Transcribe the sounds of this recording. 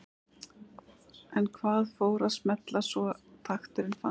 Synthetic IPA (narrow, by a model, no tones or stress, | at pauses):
ɛnkʰvaːðfoːwɾaðsmɛt̪lasvɔt̪ʰaxt̪ʏɾɪnfa̰